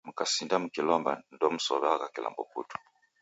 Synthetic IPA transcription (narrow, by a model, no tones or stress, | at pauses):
m̩kasindam̩kilɔmba̰ndɔm̩sɔ̰βɛakakila̰mbɔpṵtu̥